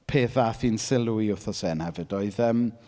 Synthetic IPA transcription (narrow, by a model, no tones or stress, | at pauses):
pʰeːθafiːnsɪlˠuiʊθɔsɛːnhɛvɨd̥oɨðəːm